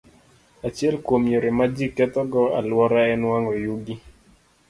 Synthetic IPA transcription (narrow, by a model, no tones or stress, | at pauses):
at͡ʃjɛlkwomjoɾemad͡ʒikːɛt̪ɔɡɔa̰lwɔɾaɛnwaŋɔjuɡi